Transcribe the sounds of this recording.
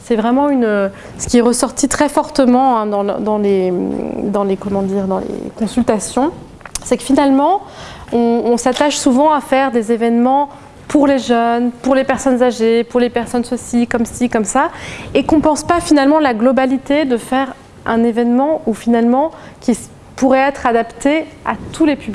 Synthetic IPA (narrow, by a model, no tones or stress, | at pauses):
sɛvʁɛmɑ̃ynø | sə̥kʲiɛʁəsɔʁt̪it̪χɛfɔʁt̪əmɑ̃ɛ̃d̪ɑ̰̃d̪ɑ̃le | d̪ɑ̃lekɔmɑ̃d̪iːʁd̪ɑ̃lḛkɔ̃sylt̪asjɔ̃ | sɛkə̥finalmɑ̃ɔ̃ːsat̪aʃsuvɑ̃afɛʁd̪ezevɛnmɑ̃ | puʁleʒœnpuʁlepɛʁsɔnzaʒepuʁlepɛʁsɔnsəsikɔmsikɔmsaekɔ̃pɑ̃spafinalmɑ̃laɡlɔbalit̪ed̪əfɛʁ | ʔɛ̃nevɛnmɑ̃ufinalmɑ̃kʲi | puʁɛɛt̪χad̪apt̪eat̪ʰulepybli